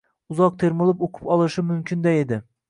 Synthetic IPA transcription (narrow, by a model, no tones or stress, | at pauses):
uzɑq̚t̪ʰeɾmɨlˠɪpoqʰʊ̥pɒlˠɨʃɪmymkʲʰɪnd̪ɛed̪ɪ